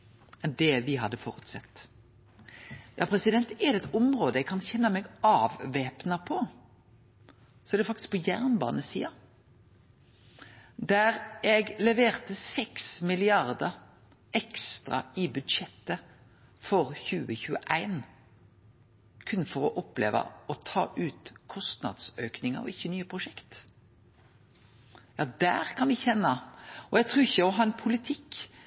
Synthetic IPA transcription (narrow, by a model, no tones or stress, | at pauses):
ɛnd̪ɛʋɪɦɑd̪ːəfɔ̰ɾʉt̪sɑ̰t̪ː | jɑ̰ːpʰɾɛsɪd̪ɛnt̪ɛd̪ɛɛt̪ʊmʁoːd̪əɛɡkʰɑnçɛnːəmɛɡɑːʋʋeːpnɑpʰɔ | sɔɛɾd̪ɛfɑkt̪ɪ̥sk̚pʰɔjæʁnbɑ̰ːnəsḭːɑ | d̪æɾɛɡlɛʋeːʁt̪əsɛksmɪlɪɑʁd̪ə | ɛkst̪ʁɑ̰ɪbʉd̪ʂɛt̪ːə | fɔɾçʉːəçʉːə̰ʔæɪn | kʰʉnfɔɾɔʔɔplḛːʋɑ̰ɔt̪ʰɑ̰ːʔʉːt̪kʰɔst̪nɑ̰d̪søːknɪŋə̰ɔ̰ɪçːənyːəpʰʁʊʂɛkt̪ | jɑːd̪æ̰ːɾkʰɑnʋɪçɛnːɑɔɛɡ̚t̪ʰɾʉːɪçːəɔɦɑːɛnpʰʊlɪt̪ʰɪkː